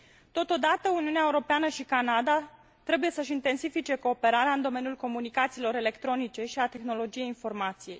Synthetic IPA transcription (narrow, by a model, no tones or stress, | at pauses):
t̪o̞t̪od̪at̪əuniuneaeuɾo̞peanəʃikanad̪a | t̪ɾe̞buje̞səʃ̬int̪e̞nsifit͡ʃe̞ko̞ːpe̞ɾaɾeaɨnd̪o̞me̞nijulko̞munikat̪siːlo̞ɾe̞le̞kt̪ɾo̞nit͡ʃe̞ʃiat̪e̞xno̞lo̞d͡ʒije̞jinfo̞rmat̪sije̞j